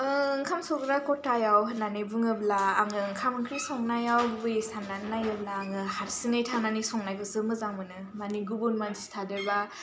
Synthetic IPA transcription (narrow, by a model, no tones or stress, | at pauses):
ɯŋkʰamsɔɡɾakɔtajawɦɯtnanɯjbuŋɯblaːŋɯŋkʰamɯŋkʰɾisɔŋnajawbbɯjsamnannajɯblaːŋɯhaɾsɯŋajtʰananisɔŋnajkʰɯsɯmɯzaŋmɯnɯmaniɡubunmanzistʰadɯɾba